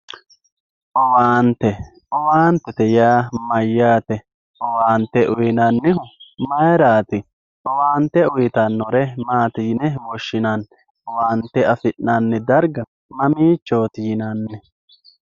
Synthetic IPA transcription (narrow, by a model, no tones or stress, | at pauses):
ʔɔwaːnt̪ɛ | ʔɔwaːnt̪ɛt̪ɛjaːmɐjːaːt̪ɛ | ɔwaːnt̪ːɛʔʊjɪnɐnːɪɦʊmɐjɛɾaːt̪ɪ | ʔɔwaːnt̪ːɛʊjɪt̪ɐnːɔɾɛmaːt̪ɪːnɛwɔʃːɪnɐn | ɔwaːnt̪ːɛɐfɪʔnanːɛd̪ɐɾɡɐ | mɐmiːt͡ʃːoːt̪ɪːɪnɐnːɛ